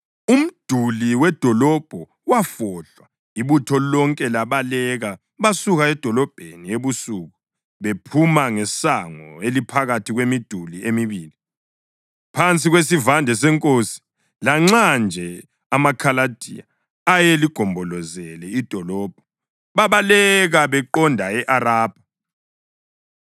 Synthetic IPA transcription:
um̩d̥ʱuliwɛd̥ʱɔlɔb̥ʱɔ | wafɔɮwa | iβutʰɔlɔŋkʼɛlaβalɛɣa | βasuɣaɛd̥ʱɔlɔb̥ʱenieβusuɣu | βepʰumaŋɛsaŋɔelipʰaɣatʰiɣwemid̥ʱuliemiβiːli | pʰant͡sʼiɣwesivandʱɛs̬ɛŋkʼosi̥ | laŋ͡ǁand͡ʒʱɛ | amakʰalad̥ʱḭa̰ | ajeliɡ̥ʱɔmbʱɔlɔzɛlɛid̥ʱɔlɔːb̥̚ʱɔ | βaβalɛɣaβɛǃɔndʱaɛʔaɾaːb̥ʱa

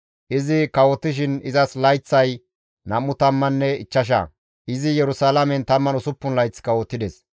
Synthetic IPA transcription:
ʔɪzɪkɐwɔt̪ːɪʃ̬ɪnɪzɐslɐjt͡sːɐj | nɐmːʊt̪ɐmːɐnːɛɪt͡ʃːɐʃ̬ɐ̰ | ʔɪzɪjɛɾʊsaːlɐmɛnt̪ɐmːɐnʊsʊpːʊnlɐjt͡sːkɐwɔt̪ːɪd̪ɛs

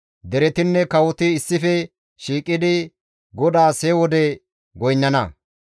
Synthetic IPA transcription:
d̪ɛɾɛt̪ɪnːɛkɐwɔt̪ɪɪsːɪfɛ | ʃiːkʼːɪd̪ɪ | ɡɔd̪aːseːwɔd̪ɛ | ɡɔjnːɐnɐ

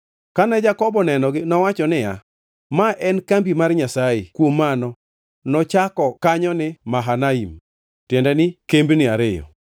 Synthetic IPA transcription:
kanɛd͡ʒakɔbɔnɛnɔɡɪnɔwat͡ʃɔnɪja | maʔɛnkambimarɲasajɪkwomːanɔ | nɔt͡ʃakɔkaɲɔnɪmaɦanaim | tjɛndɛnɪkembnɪaɾɪjɔ̰

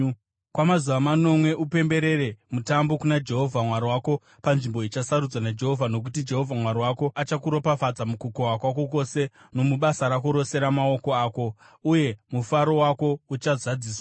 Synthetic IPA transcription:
kwamazuʋamano̞mwe̞ʔupe̞mbe̞ɾe̞ɾe̞mutambo̞kunad͡ʒe̞ɦo̞vʱamwaɾiwako̞ | panʐimbo̞it͡ʃasaɾud͡zwanad͡ʒe̞ɦo̞vʱano̞k̬utid͡ʒe̞ɦo̞vʱamwaɾiwako̞at͡ʃakuɾo̞pafad͡zamukukowakwak̬o̞ko̞se̞ | no̞muɓasaɾakoɾo̞se̞ɾamao̞ko̞aːko̞ | uje̞mufaɾo̞wako̞ut͡ʃazad͡ziːswa

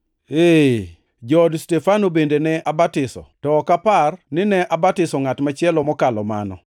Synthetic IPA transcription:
e | d͡ʒɔdstɛfanobendenɛʔabatɪsɔ̰tɔːkaparnɪnɛʔabatɪsɔŋatmat͡ʃɪɛlɔmɔkalɔma̰nɔ̰

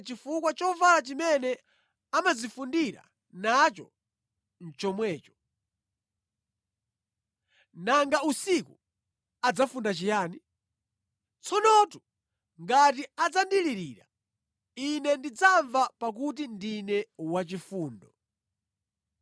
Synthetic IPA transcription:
t͡ʃifukwat͡ʃɔvalat͡ʃimɛnɛ | amazifundiɾa̰ | nat͡ʃɔ | n̩t͡ʃɔmwɛːt͡ʃɔ̥ | naŋɡausiku | ad͡zafundat͡ʃijaːni | t͡sʰɔnɔtu | ŋɡat̬iad͡zandiliɾiːɾa̰ | inɛndid͡zaɱvapak̬ut̬indinɛwat͡ʃifuːndɔ

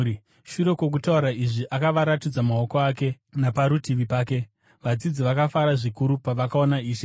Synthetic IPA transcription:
ʃuɾe̞kwo̞k̬utauɾaiʐiʔakaʋaɾatid͡zamao̞ko̞ake̞ | napaɾutiʋipaːke̞ | ʋad͡zid͡ziʋakafaɾaʐikuɾupaʋakao̞naiːʃe

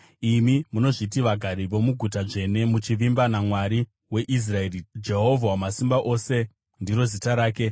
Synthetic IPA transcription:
imimuno̞ʐit̬iʋaɡʱaɾiʋo̞muɡʱut̬aʐe̞ne̞mut͡ʃiʋimbanamwaɾi | we̞ʔis̬raerid͡ʒe̞ɦo̞vʱawamasimbaʔo̞ːse̞ | ndiɾo̞zitaɾaːke̞

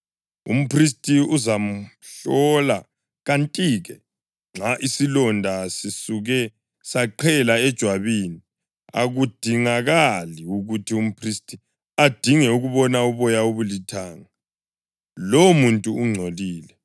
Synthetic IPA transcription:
ṵm̩pristʼiuzam̩ɬɔla | ɣantʼiːɣɛ | ŋ͡ǁaʔisilɔndʱasisuɣɛ | saǃʰɛlaɛd̥ʒ̥ʱwaβini | a̰ɣud̥ʱiŋaɣaliuɣutʰium̩pʰristʼi | ad̥ʱiŋɛuɣuβɔnauβɔjauβulitʰaːŋa | lomuntʼuːŋ͡ǀʱoliːlɛ

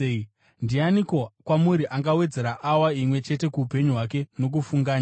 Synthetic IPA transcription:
i | ndianiko̞kwamuɾiʔaŋɡawe̞d͡ze̞ɾaʔawaimwe̞t͡ʃe̞te̞kuːpe̞ɲuɦwak̬e̞no̞k̬ufuŋɡaːɲa

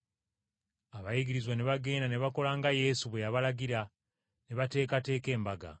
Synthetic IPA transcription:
aβajiɡiɾizwaneβaɡe̞ːndaneβako̞laŋɡaje̞suβwe̞jaβalaɡiɾa | neβate̞ːkate̞ːke̞ːmbaɡa̰

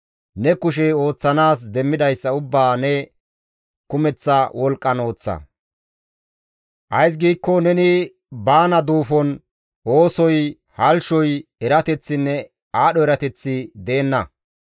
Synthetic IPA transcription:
nɛkʊʃ̬ɛo̞ːt͡sːɐnaːsd̪ɛmːɪd̪ɐjsːɐʊbːaːnɛ | kʊmɛt͡sːɐwɔlkʼːɐno̞ːt͡sːɐ̰ | ʔɐjs̬ɡiːkːɔnɛnɪ | baːnɐd̪uːfɔn | o̞ːsɔj | hɐlʃɔjɛɾɐt̪ɛt͡sːɪnːɛ | aːɗɔɛɾɐt̪ɛt͡sːɪd̪e̞ːnːɐ

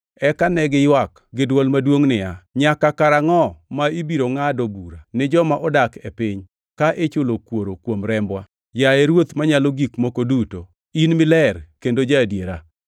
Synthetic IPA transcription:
ɛkanɛɡɪjwak | ɡɪdwɔlmadwoŋnɪjaɲakakaɾaŋɔmaibiɾoŋadobuɾanɪd͡ʒɔmaʔɔdakepɪɲ | kaʔɪt͡ʃʊlokwoɾokwomɾɛmbwa | jaɛɾwot̪maɲaloɡikmokoduto | inmɪlɛrkendod͡ʒadjeɾa̰

